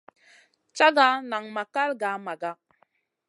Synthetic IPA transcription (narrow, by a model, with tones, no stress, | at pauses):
t͡ʃa˦ɡa˦na˨ŋma˨ka˦lɡa˨˦ma˨ɡa˦